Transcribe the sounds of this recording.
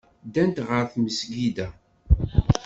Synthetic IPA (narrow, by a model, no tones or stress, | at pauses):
d̪ænt̪ʁəɾθməsɡid̪æ